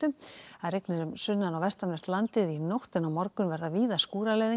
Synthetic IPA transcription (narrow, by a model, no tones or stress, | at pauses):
t̪ʏaðreknɪɾʏmsʏnːanawvɛst̪anɛst̪lant̪ɪðinɔwht̪ɪnawmɔɾkʏnvɛɾðaviːðaskuːɾalɛːði